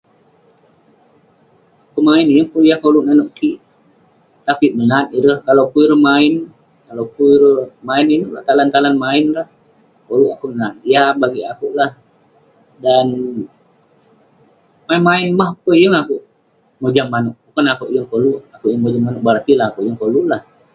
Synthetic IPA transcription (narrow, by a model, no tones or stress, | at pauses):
kumaɪnjəŋpujakoluʔnanoʔkiʔ | t̪apimənat̪iɾəhkalowkuiɾəhmaɪn | kalawkuiɾəmaɪninula̰ht̪alant̪alanmaɪnlah | koluʔakuʔmənat̪jabaɡiakuʔlah | dan | mainmaɪnmahpəjəŋakuʔ | mod͡ʒamːanuʔbukanakuʔjəŋkoluʔakuʔjəŋmod͡ʒamanuʔ̚bart̪ilahakuʔjəŋkolulah